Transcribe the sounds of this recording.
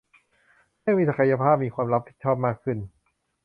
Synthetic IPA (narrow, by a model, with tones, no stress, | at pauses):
aː˥˩ŋmiː˦˧˥sa˧kʰa˧ja˧pʰaː˥˩p̚miː˧kwaː˧mɾa˦˥p̚t̪ʰiː˥˩t͡ɕʰɔː˥˩p̚maː˥˩kʰːɯ˥˩n